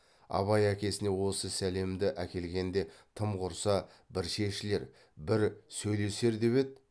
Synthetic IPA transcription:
ɑ̰βɑjækʲe̞sɪne̞wo̞səsæle̞md̪ɪʔækʲe̞lɡʲe̞nd̪e̞t̪ʰəmqʰʊɾsɑ | bɪɾʃe̞ʃɪle̞ɾ | bɪɾsɵjle̞se̞ɾd̪e̞βe̞d̪̚

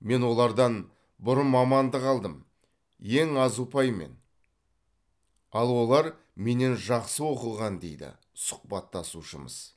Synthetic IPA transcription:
me̞nwo̞lˠɑɾd̪ɑn | bʊɾənmɑmɑnd̪əqʰɑlˠd̪əm | je̞ŋɑzupɑjme̞̰n | ɑlˠwo̞lˠɑɾ | me̞ne̞nʒɑqsəwo̞qəlˠʁɑnd̪e̞̰jd̪ɪ̰ | sʊ̥q̚pɑt̪ʰːɑsuʃəmə̰z̥

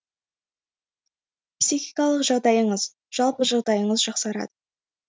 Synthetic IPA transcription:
psixijkɑlˠəqʒɑʁd̪ɑjəɴəz | ʒ̥ɑlˠpəʒɑʁd̪ɑjəɴəzʒɑqsɑɾɑ̰d̪ə

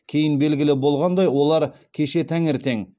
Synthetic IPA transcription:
kʲʰe̞jɪnbe̞lɡʲɪlɪbo̞lˠʁɑnd̪ɑjwo̞lˠɑɾkʲʰe̞ʃe̞t̪ʰæŋeɾt̪e̞ŋ

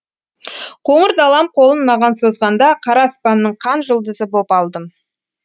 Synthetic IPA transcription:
qʰoɴəɾd̪ɑlˠɑmqʰo̞lˠənmɑʁɑnsozʁɑnd̪ɑqʰɑɾɑːspɑnːəɴqʰɑnʒʊlˠd̪əzəbopɑlˠd̪əm

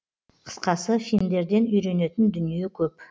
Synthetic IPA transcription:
qʰə̥sqɑsəfilmd̪e̞ɾd̪e̞nʏjɾe̞ne̞t̪ɪnd̪ʏnije̞kʲʰɵp

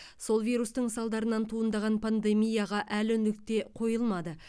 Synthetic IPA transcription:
so̞lˠvʲijɾust̪əɴsɑlˠd̪ɑɾənɑnt̪ʰuənd̪ɑʁɑnpʰand̪e̞mijaʁɑʔælɪnɪk̚t̪e̞qʰo̞jəlˠmɑd̪ə

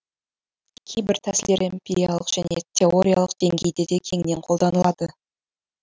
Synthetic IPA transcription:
kʲʰe̞jbɪɾt̪ʰæsɪld̪e̞ɾʔempʲeɾʲijalˠəqʒ̥æne̞t̪ʲʰe̞o̞ɾʲija̰lˠəqd̪̥e̞ŋɡʲe̞jd̪e̞d̪e̞kʲʰe̞ŋne̞ɴqʰo̞lˠd̪ɑnəlˠɑd̪̥ə

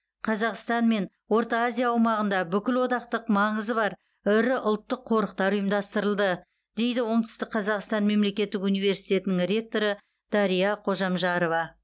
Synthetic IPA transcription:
qʰɑzɑqst̪ɑnme̞n | wo̞ɾt̪ɑːzʲijaɑwmɑʁənd̪ɑbʏkʲɪlwo̞d̪ɑq̚t̪əqmɑɴəzəbɑɾ | ʏɾɪʔʊlˠt̪ːəqʰːo̞ɾəq̚t̪ɑɾʊjəmd̪ɑst̪əɾəlˠd̪ə | d̪e̞jd̪ɪwo̞t̪ʰʏ̥st̪ɪk̚qʰɑzɑqst̪ɑnme̞mle̞kʲe̞t̪ːɪkunijve̞ɾsijt̪e̞t̪ɪnɪŋrʲe̞k̚t̪o̞ɾə | d̪̥ɑɾijɑqʰo̞ʒɑmʒɑɾo̞vɑ

